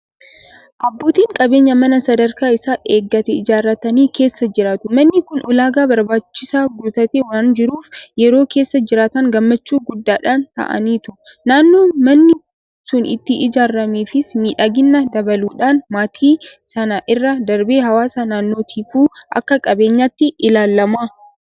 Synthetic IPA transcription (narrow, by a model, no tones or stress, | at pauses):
ʔɐbːo̞ːt̪iːŋkʼɐbe̞ːɲːɐmɐnɐsɐd̪ɐɾkaːɪsaːʔe̞ːɡːɐt̪ɛɪd͡ʒaːɾːɐt̪ɐniːke̞ːsːɐd͡ʒɪɾaːt̪ʊmɐnːɪkʊnʔʊlaːɡaːbɐɾbaːt͡ʃːɪsaːɡuːt̪ɐt̪eːwaːnd͡ʒɪɾuːfjɛɾo̞ːke̞ːsːɐd͡ʒɪɾaːt̪ɐŋɡɐmːɐt͡ʃːuːɡʊd̪ːaːᶑaːnt̪ɐ̰ʔɐ̰niːt̪ʊnaːnːo̞ːmɐnːɪ | sʊnɪ̰t̪ːɪʔɪd͡ʒaːɾːɐmeːfɪsmiːᶑɐɡɪnːɐd̪ɐbɐluːᶑaːnmaːt̪ʰiːsɐnɐʔɪrːɐd̪ɐɾbeːɦɐwaːsanaːnːoːt̪ʰiːfuːʔɐ̰kːɐkʼɐbe̞ːɲːat̪ːɪʔɪlaːlːɐmaː